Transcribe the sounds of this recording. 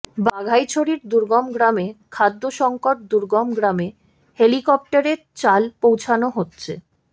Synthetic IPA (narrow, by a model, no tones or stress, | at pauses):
baɡʱajt͡ɕʰoɽiɾd̪uɾɡɔmɡɾamekʰad̪ːoʃɔŋkoʈ̚d̪uɾɡɔmɡɾame | helikɔp̚ʈaɾeɾt͡ɕalpowt͡ɕʰanoɦotːɕʰe